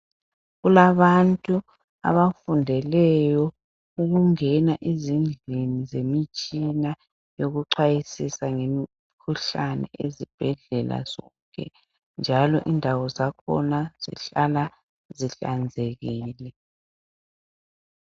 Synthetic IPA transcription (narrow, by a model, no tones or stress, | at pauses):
ɣulaβantʼu | a̰βafundʱɛlɛjɔ | uɣuŋɛnaʔizind͡ɮʱinizemit͡ʃʼina | joɣuǃʰajisisaŋemi | kʰuɬanɛ̰ezib̥ʱɛɮɛla̰z̥ɔŋkʼɛ̰ | nd͡ʒʱalɔ̰ʔindʱawɔzakʰɔ̰naz̥ḭɬala | ziɬand͡zʱeɣiːlɛ